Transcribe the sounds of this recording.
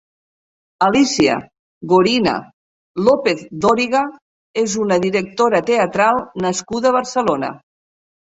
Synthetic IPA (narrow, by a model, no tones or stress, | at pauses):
əlisiə̰ | ɣoɾina̰ | lɔpeθd̪ɔɾiɣa | ezunəðiɾək̚t̪oɾət̪eət̪ɾalˠnəskuðəβəɾsəlonə̰